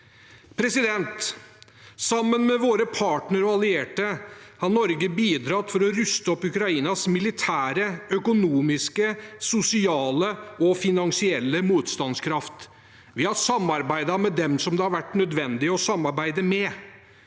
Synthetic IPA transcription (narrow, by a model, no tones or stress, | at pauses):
pʰɾɛsɪd̪ɛnt̪ | sɑmːənmɛʋoːɾəpʰɑːʈnəɾɔɑlɪeːʈəhɑɾnɔɾɡəbiːd̪ɾɑt̪fɔɾɔɾʉst̪əɔpːʉkɾɑiːnɑsmɪlɪt̪ʰæːɾəœkʊnuːmɪskəsʊsɪɑːləɔfɪnɑŋsɪɛlːəmuːt̪st̪ɑnskʰɾɑft̪ | ʋɪhɑɾsɑmɑɾbæɪd̪ɑmɛd̪ɛmsɔmd̪ɛhɑɾʋæʈːnœd̪ʋɛnd̪ɪɔsɑmːɑɾbæɪd̪əmɛ